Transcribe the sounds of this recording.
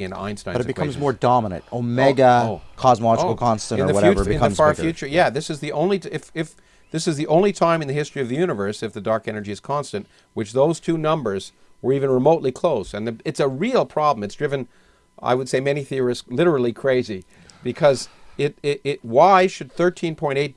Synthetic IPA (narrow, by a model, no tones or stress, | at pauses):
ɨ̃nã̰ɪ̃nstãɪʌɾɨt̚b̥ɨkeʌɪ̃mzmɔɹdɑmənɨ̰̃ntoʊmɛɡəokʰɑzməlɑd͡ʒl̩ˠkʰɑ̃nstɨ̃ñə˞ɨwʌʉvɨ̃kʰʌð̃ɨmfɑɹfjʉt͡ʃə˞jæðɪsɨzðiʔõʊ̃nliɪfɪf | ðɪsɨzðiʔõʊ̃nlitʰãɪ̃mɨ̃nðɨhɪstɹ̥iʌvðɨjʉnɨvə˞sɨfðɨdɑɹkɛnə˞d͡ʒiɨz̥kʰɑ̃nstɨ̃nʔ | wɨt͡ʃðoʊz̥tʰʉnʌ̃mbə˞z | wə˞ivɨ̃nɹəmoʊtˡlikʰl̥oʊsɨ̃nðɨɨtsəɹilˠpʰɹ̥ɑbləmɨtsd̥ɹɪvɨ̃n | a̰ɪwɨd̥seɪmɛñiθɪəɹɨslɪɾə˞l̩ˠikʰɹ̥eɪzi | b̥ɨkʰʌzɪɾɪɾʔ̚waɪʃɨd̪̚θɜ˞tʰĩnpʰɔ̃ɪ̃ɾ̃eɪt̚